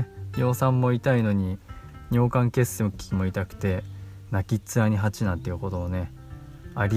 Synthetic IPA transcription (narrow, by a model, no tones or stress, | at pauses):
jo̞ːsãmːo̞it̪aino̞ɲ̟iɲ̟ʲo̞ːkãŋke̞sɨokʲːi̥kʲimo̞it̪akɯ̥t̪e̞ | nakʲit͡sɨaɲ̟iɦat͡ɕinãt̪ːeɯ̟ko̞t̪oone̞ | aɾʲ